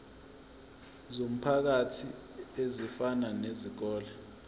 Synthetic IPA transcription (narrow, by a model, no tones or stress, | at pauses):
zom̩pʰak̬atʰi | ezifananeziɡ̥̬ɔːlɛ